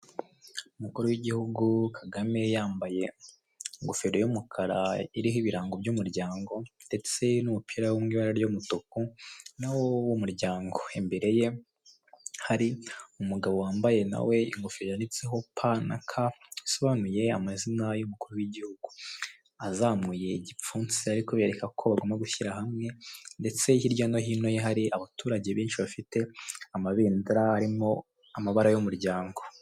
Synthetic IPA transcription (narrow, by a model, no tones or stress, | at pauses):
umukuɾuwiɟihuɡukʰaɡame̞jaːmbaje̞ | ŋɡofeɾojumukʰaɾaiɾiɦiβiɾaːŋɡo̞bjumuɾɟaːŋɡo̞nde̞t͡se̞numupʰiɾawumŋiːβaɾaɾjomutokunawowumuɾɟaːŋɡo̞embe̞ɾe̞je̞ | haɾiumuɡaβo̞waːmbaje̞na̰we̞iŋɡofeɾjanit͡seɦo̞pʰana̰kʰaiso̞βanuje̞amazinajumukuɾuwiɟihuɡu | azaːmŋuːje̞iɟip͡fuːnsiaɾikoβeɾekakʰo̞βaɡomaɡuçiɾahamŋe̞nde̞t͡se̞ihiɾɟono̞ɦiːno̞jeɦaɾiaβatuːɾaɟe̞βiːnt͡ʃiβafite̞amaβiːndiɾaaɾimo̞ | amaβaɾajomuɾɟaːŋɡo̞